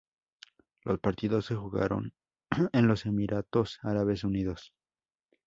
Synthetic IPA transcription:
lʔo̞̰spaɾt̪iðo̞sːe̞xuɣa̰ɾo̞̰n | enlo̞se̞miɾʔat̪o̞saɾaβe̞s̬uniðo̞s

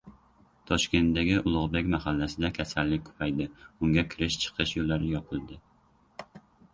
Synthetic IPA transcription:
t̪ʰɒʃkʲent̪d̪ɛɡʲiʔʊlˠʊʁbɪkʲmæɦælːæsɪd̪ɛkʲʰɛsælːɪk̚ʲkʰy̥pʰɛjd̪ɪuŋɡʲɛkʲʰɪɾɪʃt͡ʃʰə̥qʰɨʃjolˠːæɾɪjɒpʰɨlˠd̪ɪ

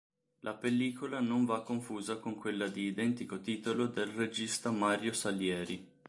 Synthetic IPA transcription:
lʔapelːiːkolanoɱvakːoɱfuːzakoŋkwelːad̪iːd̪ɛnt̪ikot̪iːt̪olod̪elred͡ʒist̪amaːɾjosaljɛːɾi

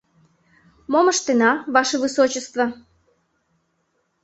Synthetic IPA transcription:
moməʃt̪enɑvɑʃevɨsot͡ɕəst̪və̆

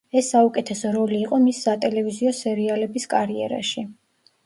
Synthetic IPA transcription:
ɛsːaukʼɛt̪ʰɛsɔɾɔliːqʼɔmisːat̪ʼɛlɛviziɔsɛɾialɛbiskʼaɾiɛ̰ɾa̰ʃi

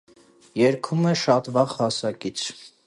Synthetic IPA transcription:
jɛɾkʰumɛʃɑt̪vɑʁhɑsɑkit͡sʰ

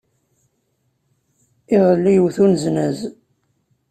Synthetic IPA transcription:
iʁəlːijwθunznæz

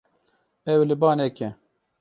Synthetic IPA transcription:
ɛwlɪbɑːnɛkɛ

